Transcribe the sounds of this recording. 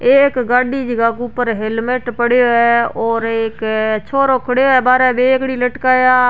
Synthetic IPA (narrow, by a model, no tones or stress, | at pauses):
eːkɡaːɖiːd͡ʒəɡaːkuːpəɾɦelmeʈpəɽejoːɛːɔːɾekt͡ʃʰoːɾoːkʰəɽeoːɛːbaːɾɛːbeːkɽiːləʈkaːjaː